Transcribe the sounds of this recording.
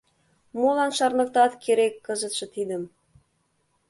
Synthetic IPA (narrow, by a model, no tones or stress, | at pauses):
mulˠɑnʃɑrnɤ̆k̚t̪ɑt̪kʲʰeɾekːɤ̆zə̆t̪ʃɤ̆t̪id̪ə̆m